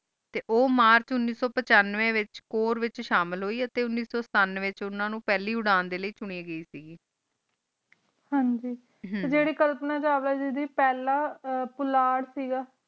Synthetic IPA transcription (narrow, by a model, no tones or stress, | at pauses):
t̪eːʔoːmaːɾt͡ʃʊnːiːsɔːpət͡ʃaːnːʋẽːʋɪt͡ʃkoːɾʋɪt͡ʃʃaːmɪlɦoːiːət̪eːʊnːiːsɔːsə̥t̪aːnːʋeːt͡ʃʊnãːnũːpɛːliːʊɽaːnd̪eːləiːt͡ʃʊɳ̃iːɡəiːsiːɡiː | hãːɲd͡ʒiː | ed͡ʒeːɽiːkəlpnaːt͡ʃaːʋlaːd͡ʒid̪iːpɛːlaːpʊlaːɽsiːɡaː